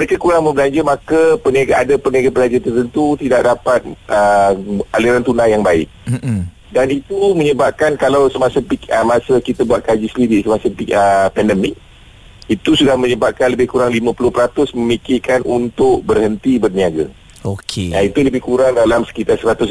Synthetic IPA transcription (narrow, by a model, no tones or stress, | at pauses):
məɾekakuɾaŋmbəblaɲd͡ʒəmakəpəniaɡaadapərniaɡapəlaɲd͡ʒat̪ərt̪ənt̪ut̪idaʔ̚dapat̪̚ʔəaliɾant̪unajːaŋbaɪ̰k̚ | danit̪umə̃ɲəbap̚kankalawsəmasəpikəmasakit̪abuat̪̚kad͡ʒisəlidiʔsəmasəpiəpɛndɛmɪk̚ | it̪usudahmə̃ɲəbap̚kanləbɪhkuɾaŋlimãpulʊhpəɾat̪ʊsmə̃mikɪrkanʔunt̪ʊʔ̚bərhənt̪ibərniaɡə̰ | okʰeait̪uləbɪhkuɾaŋdalamsə̥kit̪arsəɾat̪ʊs